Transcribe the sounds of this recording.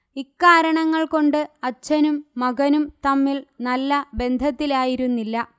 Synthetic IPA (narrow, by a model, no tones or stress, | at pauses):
ikːaːɾɐɳɐŋːɐɭko̞ɳɖɨɐt͡ɕːɐnumːɐɡɐnumt̪ɐmːiɭnɐlːɐbe̞nd̪ʱɐt̪ːilaːjiɾunːilːɐ